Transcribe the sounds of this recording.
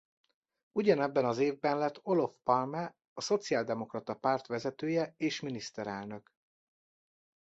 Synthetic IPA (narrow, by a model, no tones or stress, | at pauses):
uɟɒnɛbːɛnɒzeːvbɛnlɛt̪ʰːo̞lo̞fpɒlmɛ | ɒso̞t̪siaːld̪ɛmo̞krɒt̪ɒpaːrt̪ʋɛzɛt̪øːjɛeːʃminist̪ɛɾɛlnø̞k